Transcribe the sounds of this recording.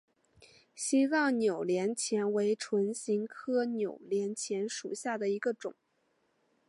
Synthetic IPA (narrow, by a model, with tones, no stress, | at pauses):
ɕi˥t͡sɑ˥˩ŋnjo˨˩ʊljɛ˧˥nt͡ɕʰjɛ˧˥nwe˧˥ɪʈ͡ʂʰwə˧˥nɕi˧˥ŋkʰɤ˥njo˨˩ʊljɛ˧˥nt͡ɕʰjɛ˧˥nʂṵ˨˩ɕja˥˩d̪ə˩i˧˥ɡə˧ʈ͡ʂʊ̰˨˩˦ŋ